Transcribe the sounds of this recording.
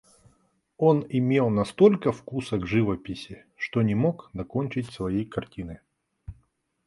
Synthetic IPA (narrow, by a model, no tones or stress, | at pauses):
o̞nɪmʲe̞lˠnɐst̪o̞lʲkəfkusəɡʐɨvəpʲɪsʲɪ | ʂt̪onʲɪmokd̪ɐkonʲt͡ɕɪtʲsvɐjejkɐrtʲinɨ